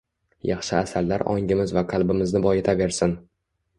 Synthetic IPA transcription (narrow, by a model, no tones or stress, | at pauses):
jɑχʃɪasallːaɾʔɒŋʲɪmɪzvaqʰɑlˠbɪmɪznɪbɒjet̪ʰave̞ɾsɪn